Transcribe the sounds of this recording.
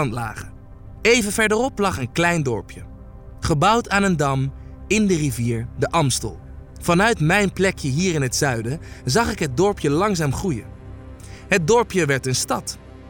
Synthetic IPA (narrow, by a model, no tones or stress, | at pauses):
ntla̰ːχə | ejvənvɛɹdərɔplɑχənklɛjndɔɹpjə | χəbʌwtaːnəndɑm | ɪndəriviːɹdəʔɑmstə̰lˠ | v̥ɑnœɥtmɛjnplɛkjəɦiːɹɪnɦətsœɥdəzɑχɪkɦəd̚dɔɹpjəlɑŋzaːmχrujə̰ | ɦət̚dɔɹpjəʋɛɹtənstɑt